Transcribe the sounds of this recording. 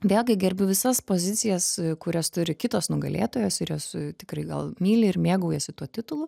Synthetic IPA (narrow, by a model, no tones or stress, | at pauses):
ʋʲeːlʲˠɡʲɪɡʲɛɾʲbʲʊʋʲɪsɐspoːzʲɪt̪sʲɪjɛskʊɾʲɛst̪ʊɾʲɪkʲɪt̪oːsnʊɡɐlʲḛːt̪oːjoːsɪɾjoːst̪ʲɪkrɐɪɡɐ̰lˠmʲiːlʲɪɪrmʲeːɡɐʊjɛsʲɪt̪uɔt̪ʲɪt̪ʊlˠʊ